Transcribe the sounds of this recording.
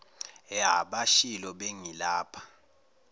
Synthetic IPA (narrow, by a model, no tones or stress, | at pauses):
jaɓaʃilɔɓeŋilaːpʰḁ